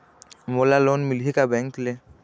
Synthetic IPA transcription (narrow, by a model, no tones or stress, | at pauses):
mulalonmilhikabɛŋkle